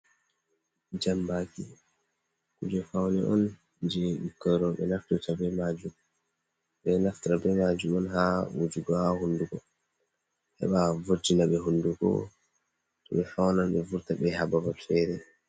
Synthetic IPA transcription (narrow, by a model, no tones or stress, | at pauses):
d͡ʒambaki | kud͡ʒɔfawnɛʔɔn | d͡ʒɛɗukːəɾɔɓɛ̰naftutabɛmad͡ʒum | ɓɛnaftɾabɛmad͡ʒumɔnhawud͡ʒuɡɔhahunduɡɔ̰ | hɛ̰ɓavoɾd͡ʒinaɓɛɦunduɡɔ̰ | tɔɓɛfawnanɓɛvuɾtaɓɛhababalfɛɾɛ